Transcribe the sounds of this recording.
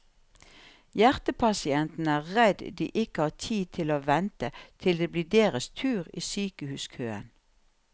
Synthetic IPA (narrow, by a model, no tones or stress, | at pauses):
jæʁt̪əpʰɑsɪɛnt̪n̩əæːʁʁɛd̪d̪ḭːʔɪkəhɑːt̪ʰiːt̪ʰɪloːʋɛnt̪ət̪ʰɪld̪eːbliːd̪eːʁəst̪ʰʉːʁḭːsyːkəhʉːskʰøːə̰n